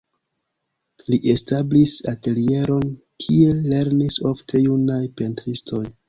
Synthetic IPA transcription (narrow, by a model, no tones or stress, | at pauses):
liʔe̞stablisate̞lie̞ɾo̞n | kʰie̞le̞ɾniso̞ftʰe̞junajpe̞ntɾistʰo̞j